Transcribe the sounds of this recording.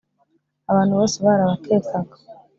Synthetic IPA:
aβaːn̥huβo̞ːseβaːɾaβakʰeːkaɡḁ

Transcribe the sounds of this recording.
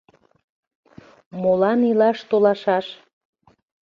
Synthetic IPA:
molɑnilɑʃt̪olɑʃɑʃ

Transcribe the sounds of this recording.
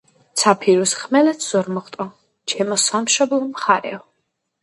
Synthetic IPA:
t̪sʰapʰiɾusχmɛlɛt̪ʰz̥ɔɾmɔχt̪ʼɔ | t͡ʃʰɛmɔsamʃɔblˠɔmχaɾɛ̰ɔ

